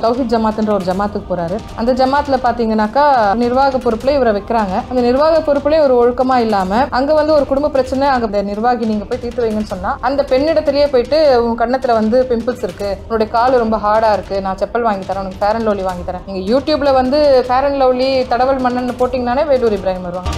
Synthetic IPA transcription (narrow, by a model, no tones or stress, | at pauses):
t̪ɐʊɦɪtd͡ʒɐmaːt̪ːɯndrɐɔɾɯd͡ʒɐmaːt̪ɯkːɯpoːɾaːɾɯ | ɐnd̪ɐd͡ʒɐmaːt̪ːɪlɐpaːɾt̪iːŋɡɐnːaːkaːnɪɾʋaːɣɐpːɔɾɯpːlɐɪʋɐɾɐʋɐɪkːɪɾaːŋɡɐɐnd̪ɐnɪɾʋaːɣɐpːɔɾɯpːɯlẽɔɾɯɔɻɯkːɐmaːɪlːaːmɐɐŋɡeːʋɐnd̪ɯɔɾɯkʊɽʊmbɐpːɪɾɐt͡ʃːɐnɛɐŋɡɐnd̪ɐnɪɾʋaːɣiniːŋɡɐpoːjt̪iːɾt̪ɯʋɐʋiŋɡɐnːɯsɔnːaːɐnd̪ɐpɛɳːɪɽɐt̪ːɪlɐjeːpoːjɪʈːɯʊŋɡkɐɽɐnɐt̪ːɪlɐʋɐnd̪ɯpɪmpɪlsɪɾɯkːɯʊnːɯɽɐjɐkaːlɾɔmbɐɦaːɽaːɪɾɯkːɯnãːt͡ʃɛpːɐlʋaːŋɡɪt̪ːaːɾẽːʊnɐkːɯfeːɾɐɳloːliʋaːŋɡɪt̪aːɾẽːniːŋɡɐjuːʈjuːbɪlɐʋɐnd̪ɯfeːɾɐɳloːlit̪ɐɽɐʋɐlmɐɳːɐnnːɯpoːʈːiːŋɡɐnːaːneːʋeːluːɾɪbɪɾaːɦɪmɐɾɯʋaːŋɡɐ